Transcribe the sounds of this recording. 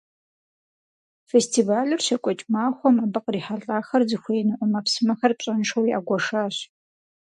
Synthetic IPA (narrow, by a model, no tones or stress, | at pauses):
festʰiːvaːlɨrɕɐkʷʼɔt͡ʃʼmaːxʷɔmaːbɨqriːħaɮʼaːxɐrzɨxʷeːnɨʔʷɔmɐpsɨmɐxɐrpɕʼɐnʂɐwja̰ːɡʷɔʂaːɕ